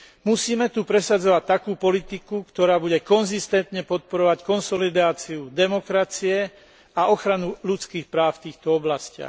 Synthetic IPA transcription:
musiːmɛt̪upɾɛsad͡zɔʋac̚t̪akuːpɔlit̪ikukt̪ɔɾaːbuɟɛkɔnzist̪ɛnt̪ɲɛpɔt̪̚pɔɾɔʋackɔnsɔlid̪aːt͡siud̪ɛmɔkɾat͡siɛ | aʔɔxɾanuʎut͡skiːxpɾaːʊft̪iːxt̪ɔɔblascɪa̰x

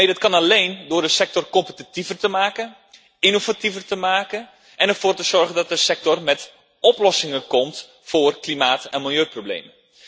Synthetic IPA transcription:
edɑtkɑnalejndʊːrdəsɛk̚tɔrkɔmpətitivərtəmaːkə | inovativərtəmaːkən | ʔɛnɛrv̥oːrtəzɔrɣəndɔt̚dəsɛk̚tɔrmɛt | ɔplɔsɪŋənkɔmt | foːrklimaːtɛnmɪlˠjøːproblḛjmən

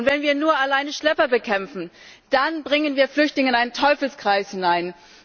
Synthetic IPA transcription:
ʊntv̥ɛnviːɐnuːɐalaɪnəʃlɛpɐbəkʰɛmfn̩ | d̥anbʁɪŋənviːɐflʏçtlɪŋəɪnaɪnəntʰɔʏfl̩skʁ̥aɪshɪnaɪn

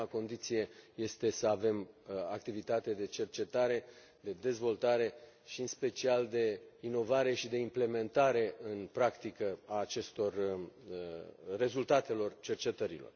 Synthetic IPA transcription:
ako̞nd̪it̪sije̞je̞st̪e̞səave̞mak̚t̪ivit̪at̪e̞d̪e̞t͡ʃe̞rt͡ʃe̞t̪aɾe̞ | d̪e̞d̪e̞zvo̞lt̪aɾe̞ | ʃiɨnspe̞t͡ʃiald̪e̞ino̞vaɾe̞ʃid̪e̞imple̞me̞nt̪aɾe̞ɨnpɾakt̪ikəaːt͡ʃe̞st̪o̞rəːe̞zult̪at̪e̞lo̞rt͡ʃe̞rt͡ʃe̞t̪əɾḭlo̞̰r

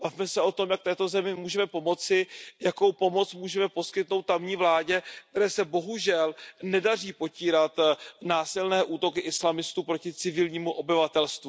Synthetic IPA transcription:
b̥avmɛsɛo̞t̪o̞mjak̚t̪ɛːt̪o̞zɛmɪmuːʒɛmɛpo̞mo̞t͡sɪjako̞wpo̞mo̞t͡smuːʒɛmɛpo̞skɪt̪no̞wt̪ːamɲiːvlaːɟɛkt̪ɛɾɛːsɛbo̞ɦuʒɛlnɛdariːpo̞ciːɾat̪naːsɪlnɛːʔuːt̪o̞kɪʔɪslamɪst̪uːpɾo̞cɪt͡sɪvɪlɲiːmuʔo̞bɪvat̪ɛlst̪vu

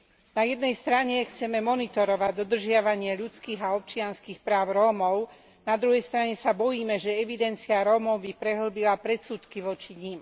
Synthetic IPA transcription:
najɛd̪nɛjst̪ɾaɲɛxt͡sɛmɛmɔnit̪ɔɾɔʋaɟd̪ɔd̪r̩ʒɪaʋaɲɪɛʎut͡skiːɣaɔp̚t͡ʃɪanskiːxpɾaːʊɾɔːmɔʊ | nad̪ɾuɦɛjst̪ɾaɲɛsabɔjiːmɛʒɛɛʋid̪ɛnt͡siaɾɔːmɔʊbipɾɛɦl̩bilapɾɛt̪suːt̪kiʋɔt͡ʃiɲim

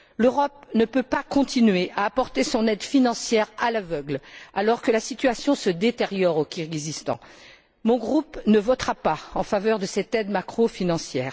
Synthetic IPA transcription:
løʁɔp̚nəpøpakɔ̃t̪inɥeʔaːpɔʁt̪esɔ̃nɛd̪finɑ̃sjɛʁalavœɡlalɔʁkəlasit̪ɥasjɔ̃səd̪et̪eʁjɔʁokʲiʁizist̪ɑ̰̃ | mɔ̃ɡʁupnəvɔt̪χapaɑ̃favœʁd̪əsɛt̪ɛd̪makχofinɑ̃sjɛːʁ

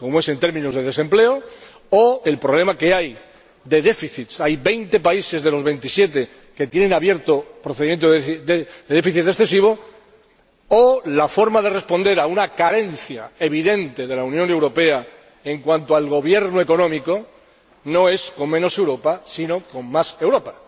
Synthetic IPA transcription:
ko̞moe̞se̞nt̪eɾmĩnozðe̞ðe̞se̞mple̞o | oe̞lpɾo̞βle̞make̞aj | ðe̞ðe̞fiθit̪sajβe̞jnt̪e̞paise̞zðe̞lo̞zβe̞jnt̪isje̞t̪e̞ | ke̞t̪jenenaβje̞ɾt̪opɾoθe̞ðimjent̪oðed̪eðefiθit̪e̞ksθe̞siβ̞o̞ | olafo̞ɾmaðe̞re̞spo̞nd̪e̞ɾaunakaɾe̞nθja̰e̞β̞iðe̞nt̪e̞ðe̞launjõne̞wɾo̞pe̞a | e̞ŋkwant̪oalɣo̞β̞je̞ɾnoe̞ko̞nõ̞miko̞ | no̞e̞sko̞mmeno̞se̞wɾo̞pasino̞ko̞mmase̞wɾo̞pḁ

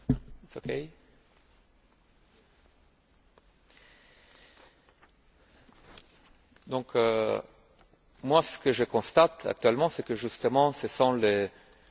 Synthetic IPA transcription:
oke | d̪ɔ̃kø | mwasə̥kəʒəkɔ̃st̪at̪a̰k̚t̪ɥɛlmɑ̃sɛkəʒyst̪əmɑ̃sesɑ̃le

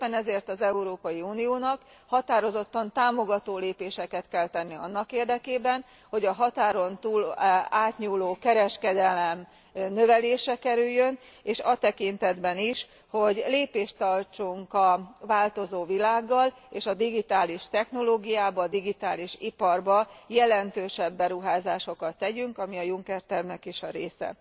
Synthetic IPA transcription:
pːɛnɛzeːrt̪ɒzɛuɾoːpɒjiuːnijoːnɒk | hɒt̪aːɾo̞zo̞t̪ːɒnt̪aːmo̞ɡɒt̪oːleːpeːʃɛkɛt̪kɛlt̪ɛnːiɒnːɒkeːrd̪ɛkeːbɛn | ho̞ɟɒɦɒt̪aːɾo̞nt̪uːlaːt̪ɲuːloːkɛɾɛʃkɛd̪ɛlɛm | nø̞vɛleːʃɛkɛɾyjːø̞n | eːʃɒt̪ɛkint̪ɛd̪bɛniʃ | ho̞ɟleːpeːʃt̪ɒrt͡ʃuŋkɒvaːlt̪o̞zoːvilaːɡːɒl | eːʃɒd̪iɡit̪aːliʃt̪ɛxno̞loːɡijaːbɒːd̪iɡit̪aːliʃipɒrbɒjɛlɛnt̪øːʃɛbːɛɾuɦaːzaːʃo̞kɒt̪ːɛɟyŋkɒmiɒjuŋkɛrt̪ɛrmnɛkeːʃɒɾeːsɛ̰

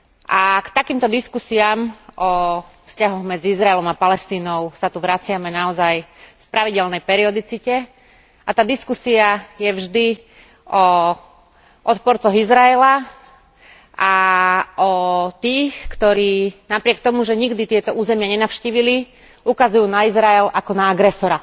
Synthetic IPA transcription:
ʔakt̪akiːmt̪ɔd̪iskusiaːmʔɔ | fscaɦɔɣmɛd͡ziizɾaɛlɔmapalɛst̪iːnɔʊsat̪uʋɾat͡sɪamɛnaɔzajfpɾaʋiɟɛlnɛjpɛɾiɔd̪it͡sicɛ | at̪aːd̪iskusiajɛvʒd̪i | ɔ | ʔɔt̪pɔɾt͡sɔɣizɾaɛla | ʔaʔɔt̪iːxkt̪ɔɾiːnapɾɪɛk̚t̪ɔmuʒɛɲiɡd̪it̪ɪɛt̪ɔʔuːzɛmɪaɲɛnaʊʃciːʋili | ukazujuːnaizɾaɛlakɔnaaɡɾɛsɔɾa

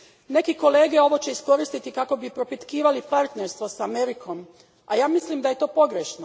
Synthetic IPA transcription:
ne̞kiko̞le̞ːɡe̞o̞ʋo̞t͡ɕeisko̞ɾist̪it̪ikako̞bipɾo̞pit̪kiːʋalipaɾt̪neɾst̪ʋosameɾikʰo̞m | ajaːmislimd̪aje̞t̪o̞ːpo̞ɡɾeʃno

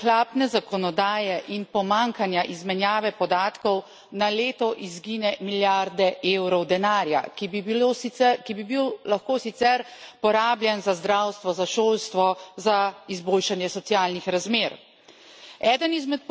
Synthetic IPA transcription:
xlaːpnɛzakɔnɔd̪aːjɛʔinpɔmaŋkanjaʔizmɛnjaːʋɛpɔd̪aːt̪kɔw | naleːt̪ɔʔizɡiːnɛmiljaɾd̪ɛʔeːwɾɔwd̪ɛnaːɾja̰kibiɛkibibiwlaxkoːsit̪sɛɾpɔɾaːbljɛnzazd̪ɾawst̪ʋɔzaʃoːlst̪ʋɔzaizboːlʃanjɛsɔt̪sjaːlnixɾazmeːɾ | ɛːd̪ənizmɛt̪̚

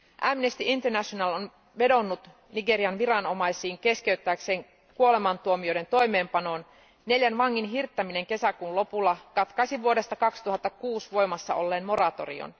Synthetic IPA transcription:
ʔæmnest̪iʔint̪ernæʃonɑlon | ʋe̞do̞nːut̪ | niɡe̞ɾiɑnʋiɾɑno̞mɑjsiːŋke̞ske̞yt̪ːæːkse̞ːŋ | kuo̞le̞mɑnt̪uomiojɾe̞nt̪o̞jme̞ːmpɑno̞ːn | ne̞ljænʋɑŋːinɦirt̪ːæmine̞ŋke̞sækuːnlo̞pulːɑkɑt̪kɑsiʋuode̞st̪ɑkɑkst̪uɦɑt̪ːɑkuːsʋo̞jmɑsːɑ̰ʔo̞lːeːnmo̞ɾɑt̪o̞̰rḭo̰n

